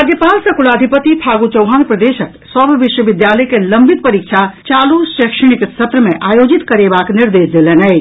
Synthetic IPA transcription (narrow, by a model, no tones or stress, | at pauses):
ad̪jepalsɐkulaːd̪ʱipət̪ipʰaɡut͡ʃɔwɦanpɾəd̪eʃəksɔbʱʋiʃwəʋid̪jaləkeləmbʱit̪̚pəɾikt͡ʃʰat͡ʃaːlusʃəkʃəɽ̃iksət̪ɾəmeʔaːjod͡ʒit̪kəɾebakniɾd̪esd̪elənəj